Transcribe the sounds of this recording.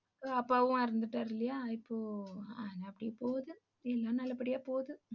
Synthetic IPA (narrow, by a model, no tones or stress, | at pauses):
ɐpːaːʋɯ̃ɪɾɯnd̪ɯʈːaːɾɪlɐjaːɪpːoːanɐpːɐɽɪjpoːðɯ | ɛlːãːnɐlːɐpːɐɽɪjaːpoːðɯ